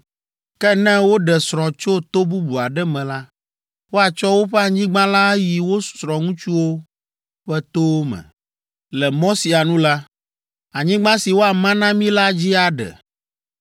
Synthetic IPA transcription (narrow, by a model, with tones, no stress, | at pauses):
kɛ˦nɛ̃˦wo˦ɖɛ˨sɾ̃ɔ̃˨t͡ʃo˦t̪o˦bu˦bu˨a˨ɖɛ˦mɛ̃˨la˦ | wo˦a˨t͡ʃɔ˦wo˦ɸɛ˦a˨ɲĩ˦ɡ͡bã˦la˦ji˨wo˦su̥˨sɾɔ̃˨ŋũ˦t͡ʃu˦wo˦ | ɸɛ˦t̪o˦mɛ̰̃˨ | lɛ˨mɔ̃˦si˨a˨nũ˦la˦ | a˨ɲĩ˦ɡ͡bã˦si˨wo˦a˨mã˦nã˦mĩ˦la˦d͡ʑi˦a˨ɖɛ̰˨